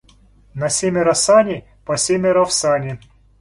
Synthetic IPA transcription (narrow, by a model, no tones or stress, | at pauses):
nɐsʲemʲɪɾɐsanʲɪ | pɐsʲemʲɪɾɐfsanʲɪ